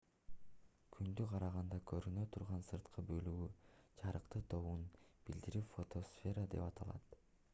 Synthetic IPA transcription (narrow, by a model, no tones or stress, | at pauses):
kʰynd̪yqʰɑɾɑʁɑnd̪ɑkʰøɾynø̞t̪ʰuɾʁɑnsɯɾt̪qʰɯbø̞lyɡyt͡ʃʰɑɾɯqt̪ɯt̪ʰo̞βunb̥ild̪iɾipfo̞t̪ʰosfʲe̞ɾəd̪e̞pɑt̪ʰɑlˠɑ̰t̪